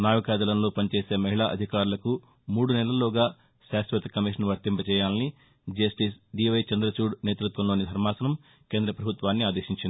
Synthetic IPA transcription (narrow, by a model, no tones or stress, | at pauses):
naːʋɐkaːd̪ɐlɐnlo̞ːpɐnit͡ʃeːse̞ːmɐɦiɭaːʔɐ̰d̪ʱikaːɾulɐku | muːɽunɛlɐlːoːɡaː | ʃaːsʋɐt̪ɐkɐmiʂ̬ɐnʋɐɾt̪impɐt͡ʃɛːjaːlɐni | d͡ʒɐsʈisɖiːʋɐjt͡ʃɐnd̪ɾɐt͡ʃuːɖne̞ːt̪ɾut̪ʋɐmlo̞ːnid̪ʱɐɾmaːsɐnɐm | ke̞ːnd̪ɾɐpɾɐbʱut̪ʋaːnːiaːd̪eːʃiɲt͡ʃind̪i